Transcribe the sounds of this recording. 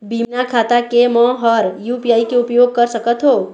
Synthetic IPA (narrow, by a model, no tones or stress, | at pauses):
bimnakʰat̪akemə̃ɦəɾjupijaikeʊpjoɡ̚kəɾsəkət̪ɦo